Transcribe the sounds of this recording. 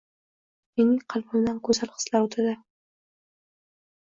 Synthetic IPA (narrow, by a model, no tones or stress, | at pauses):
menɪŋqʰɑlˠbʊmd̪ankʰɵzalˠqɨ̥slawt̪ʰad̪ɪ